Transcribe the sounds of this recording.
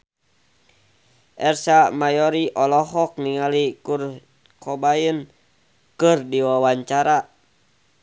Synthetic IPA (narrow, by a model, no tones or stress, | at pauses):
ʔɛrsamajɔɾiʔɔlɔɦɔk̚niŋalikur | kɔbajən | kɨrdiwawaɲt͡ʃaɾa